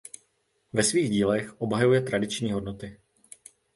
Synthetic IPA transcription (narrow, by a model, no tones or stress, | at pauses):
vɛsviːɣɟiːlɛxʔo̞bɦajujɛt̪ɾadɪt͡ʃɲiːɦo̞dno̞t̪ɪ